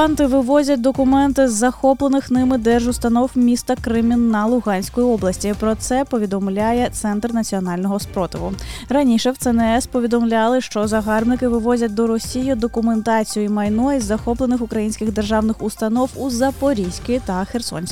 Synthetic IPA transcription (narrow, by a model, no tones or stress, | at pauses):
ɑnt̪ɪʋɪʋɔzʲɐt̚ʲd̪ɔkʊmɛnt̪ɪzːɐxɔplˠenɪxnɪmɪd̪ɛʒʊst̪ɐnɔwmʲist̪ɐkɾɪmʲinːɐlˠʊɣɑnʲsʲkɔjiɔblˠɐsʲtʲipɾɔt̪sɛpɔʋʲid̪ɔmlʲajɛt̪sɛnt̪rnɐt͡sʲiɔnɑlʲnɔɦɔspɾɔt̪ɪʋʊ̰rɐnʲiʃɛwt̪ɛnɛɛspɔʋʲid̪ɔmlʲalˠɪʃt͡ʃɔzɐɦɑrbnɪkɪʋɪʋɔzʲɐt̚ʲd̪ɔɾɔsʲijʊd̪ɔkʊment̪ɑt͡sʲijʊjimɐjnɔjizːɐxɔplˠenɪxʊkɾɐjinʲsʲkʲɪɣd̪erʒɑwnɪxʊst̪ɐnɔwuzɐpɔɾʲisʲkɪt̪ɐxersɔ̰nʲsʲkɪ